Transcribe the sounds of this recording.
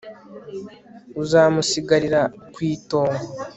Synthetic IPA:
uzaːmusiɡaɾiɾakwiːto̞ːŋo

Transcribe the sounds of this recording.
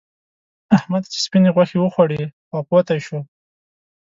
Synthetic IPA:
ahmad̪t͡ʃe̥spineɣwaxewəxwaɽiwaqwat̪ajʃu

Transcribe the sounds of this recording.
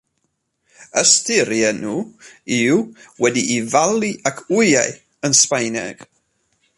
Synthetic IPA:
əstɪɾjɛnuːɪwwɛdiʔːvalˠiʔakʰʊjaj | ənspajnɛ̰ɡ̥

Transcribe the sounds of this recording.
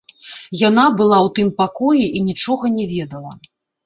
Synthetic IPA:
jan̪abɨlˠawt̪ɨmpakɔjiʔinʲit͡ʂɔɣɐnʲɛvʲɛd̪ɐlˠɐ

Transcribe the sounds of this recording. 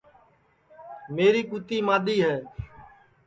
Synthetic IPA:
meːɾiːkuːt̪iːmaːɗ̪iːɦɛː

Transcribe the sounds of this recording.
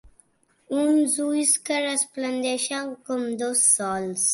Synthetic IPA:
umzujskəɾasplənd̪eʃakomd̪osːɔːls

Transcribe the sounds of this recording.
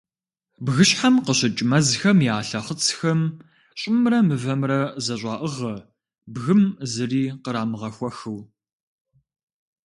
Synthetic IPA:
bɣɨɕħamqəɕɪt͡ʃʼmɐzxɐmjaːɬɐχət͡sʰxɐm | ɕʼɪmrɐmɨvɐmrɐzɐɕʷʼɑːʔəʁɐ | bɣɨmzɨriːqəɾaːmɨʁɐxʷɔxɨw

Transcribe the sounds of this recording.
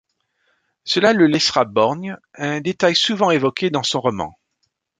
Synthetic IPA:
səlaləlɛsʁabɔʁn | ɛ̃d̪et̪ajsuvɑ̃evɔkʲʰed̪ɑ̃sɔ̃ʁɔmɑ̰̃

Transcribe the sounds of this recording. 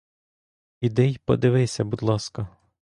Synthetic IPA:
id̪ɛjpɔ̰d̪ɪʋɪsʲɐbud̪lˠɑskɐ

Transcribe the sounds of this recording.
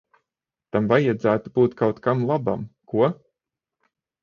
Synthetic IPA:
t̪amvajad̪zæːt̪ub̥uːt̪kʰawt̪kamlˠaba̰mkuɔ

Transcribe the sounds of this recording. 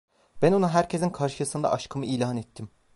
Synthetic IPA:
b̥ænonaɦæɾcʰezinkʰaɾʃɯsɯnd̪a̰ʔaʃkʰɯmɯilʲaːnet̪ʰːim

